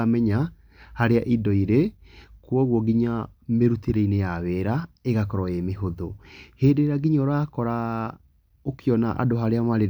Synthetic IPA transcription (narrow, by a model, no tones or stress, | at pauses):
mɛɲa | haɾeaʔidɔiɾe | kwɔɣwɔɡiɲameɾuteɾeinejaβɛɾaeɣakɔɾɔemeɦoðoheːdeɾaɡiɲɔɾakɔɾa | okeɔnaʔa̰doɦaɾeamaɾe